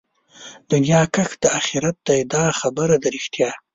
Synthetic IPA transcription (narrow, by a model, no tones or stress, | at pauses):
d̪̥ʊnjɑkaxd̪̥əaxiɾat̪̚d̪ajed̪ɑxabəɾad̪əɾɪxt̪jɑ